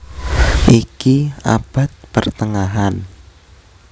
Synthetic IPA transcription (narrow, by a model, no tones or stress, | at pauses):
ʔikia̰b̥a̤t̪̚pərt̪əŋaɦan